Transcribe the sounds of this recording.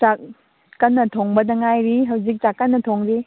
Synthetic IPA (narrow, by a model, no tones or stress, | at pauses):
t͡ʃak | kɐnːɐtʰoŋbɐdɐŋajɾiɦɐwd͡ʒik̚t͡ʃakːɐnːɐtʰoŋɾi